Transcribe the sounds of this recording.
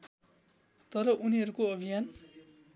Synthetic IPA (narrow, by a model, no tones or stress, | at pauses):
t̪ʌɾʌʔuniɦʌɾukoʌbʱijan